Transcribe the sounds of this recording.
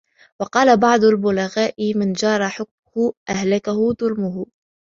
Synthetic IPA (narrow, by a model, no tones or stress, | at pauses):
wɑqɑːlabɑʕd̪ˤʊlbʊlaɣaːʔɪmɪnd͡ʒɑːɾˤɑħʊk̚mʊhʊʔahlakahʊðʊlmʊɦʊ